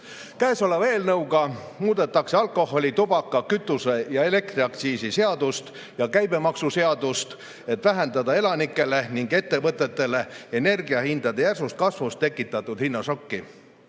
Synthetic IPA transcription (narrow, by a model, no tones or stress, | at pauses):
kæːso̞leve̞ːlnɤuɡɑmuːd̪̥e̞t̪ːˑɑkse̞ɑlko̞ho̞lʲit̪ubɑkːɑkyt̪ːˑuse̞jɑe̞le̞k̚t̪riɑkt̪siːsise̞ɑd̪ust̪ | jɑkæjbe̞mɑksuse̞ɑd̪ust̪ | e̞t̪ːˑvæɦe̞nd̪̥ɑd̪ɑe̞lɑnikːˑe̞le̞niŋɡe̞t̪ːe̞vɤt̪ːˑe̞t̪ːˑe̞le̞ene̞rɡiɑhind̪̥ɑd̪e̞jærsust̪̚kɑsvust̪ːe̞kːˑit̪ːˑɑt̪ːˑud̪̥hinːɑsokːi